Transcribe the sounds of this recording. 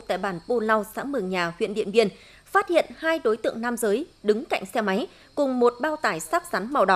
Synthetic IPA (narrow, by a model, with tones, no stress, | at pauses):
t̪a̰ː˧˨jɓaː˧˩npo˧la˧wsa̰ː˧˥mɨ˨˩əŋɲaː˨˩hwḭ˧˨ənɗḭ˧ənvi˧ən | faː˦˥t̚hḭ˧˨ənhaː˧jɗo˨˦jt̪ɨ̰˧˨əŋnaː˧mzəː˨˦jɗɨ˨˦ŋka̰˧˨jŋ̟sɛ˧ma˨˦j | kʊ˨˩ŋ͡mmo˨˩t̚ɓaː˧wt̪aː˧˩jsaː˦˥k̚sa˨˦nma˨˩wɗɔ˨˦